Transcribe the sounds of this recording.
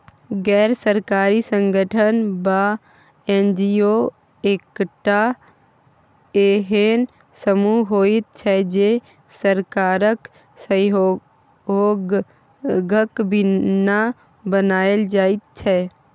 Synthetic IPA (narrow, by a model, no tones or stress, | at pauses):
ɡɛːɾsəɾkaːɾisə̃ŋɡʱəʈʰənba | ẽnd͡ʒio | ekʈa | eɦen | səmuɦoːit̪̚t͡ʃʰɛd͡ʒe | səɾkaːɾək | sə | ɦoːɡ | ɡəkbʱɪna | bənaːəld͡ʒaːit̪̚t͡ʃʰɛ